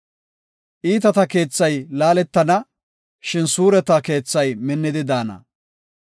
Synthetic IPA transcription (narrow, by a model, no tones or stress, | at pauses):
ʔiːt̪ɐt̪ɐke̞ːt͡sːɐjlaːlɛt̪ːɐnɐ | ʃɪnsuːɾɛt̪ɐke̞ːt͡sːɐjmɪnːɪd̪ɪd̪aːnɐ̰